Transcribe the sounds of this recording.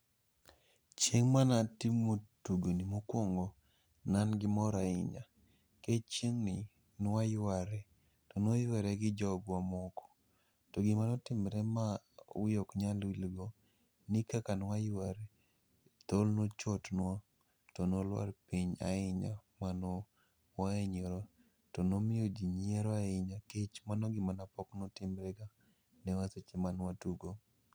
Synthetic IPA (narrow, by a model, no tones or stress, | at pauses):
t͡ʃjeŋmanatimotuɡonimokwɔŋɡɔ | nanɡɪmɔɾaɪ̰ɲa̰ | ket͡ʃjeŋnɪ | nwajwaɾɛ | tonojwaɾɛɡɪd͡ʒɔɡwamɔkɔ̥ | toɡɪmanɔtɪmɾɛma | ʊ̰jokɲalwilɡɔ | nɪkakanwajwaɾɛ | t̪olnot͡ʃotnwa | tɔnolwa̰rpiɲa̰ɪɲamanɔ | waeɲoɾo | tɔnomɪod͡ʒiɲieɾɔaɪɲaket͡ʃmanɔɡɪmanapɔknotɪmɾɛɡa | nɛwaset͡ʃemanwatuɡo